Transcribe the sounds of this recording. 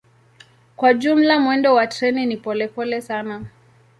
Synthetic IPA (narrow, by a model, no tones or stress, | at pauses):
kwaʄum̩lamwɛndɔwatɾɛninipɔlɛpɔlɛsana